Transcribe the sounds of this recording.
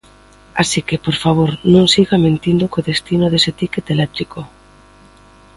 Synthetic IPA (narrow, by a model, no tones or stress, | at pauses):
a̰sikepoɾfaβ̞oɾnõŋsiɣamẽnt̪ind̪ʊkoðest̪inʊðeset̪iket̪elɛt̪ɾiko